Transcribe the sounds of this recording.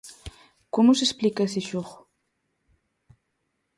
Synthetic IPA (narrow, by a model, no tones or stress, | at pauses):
kʊmʊsesplikasɪʃoχ